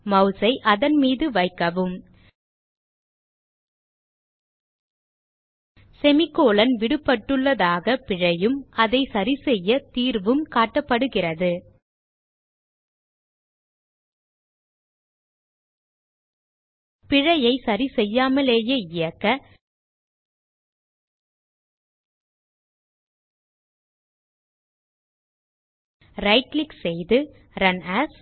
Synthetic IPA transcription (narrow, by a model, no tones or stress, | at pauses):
mɐʊsɐɪʔɐðɐnmiːðɯʋɐɪkːɐʋɯm | sɛmɪkːoːlɐnʋɪɽɯpːɐʈːɯɭːɐðaːɣɐpɪɻɐjɯmɐðɐɪsɐɾisɛjːɐt̪iːɾʋɯmkaːʈːɐpːɐɽɯɣɪrɐðɯ | pɪɻɐjɐɪsɐɾisɛjːaːmɐleːjeːɪjɐkːɐ | ɾɐɪʈlɪksɛjðɯ | ɾɐnaːs